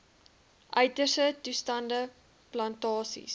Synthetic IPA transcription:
ʔœɥtərsətustɐndə | plɐntɑːsḭs

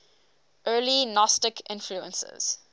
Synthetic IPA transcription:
ʔɜːlinɔstɪkʰɪ̰̃nfluə̰̃nsə̰z̥

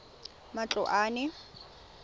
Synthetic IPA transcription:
mat͡ɬʼɔʔaːnɪ

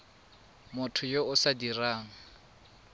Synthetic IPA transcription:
mʊtʰʊjoʊsadiraːŋ̩

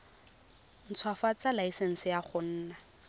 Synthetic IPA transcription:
n̩t͡sʰwafat͡salaisɛn̩sɪjaχʊn̩ːna

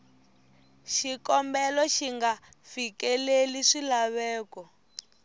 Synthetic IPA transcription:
ʃikɔmbɛlɔʃiŋɡa | fikɛleliʂilaβɛːkɔ

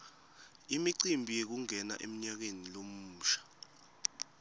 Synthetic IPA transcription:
imiǀimbʱijek̬uŋɛna̰ʔem̩ɲak̬enilomuːʃḁ

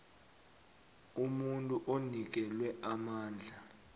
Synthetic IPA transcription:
umuntʼuʔonik̬ɛlwɛʔamaːnd͡ɮʱa

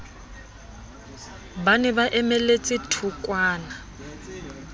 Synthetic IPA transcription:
banɛbaʔɛmɛlet͡sʼɪtʰukʼwaːna

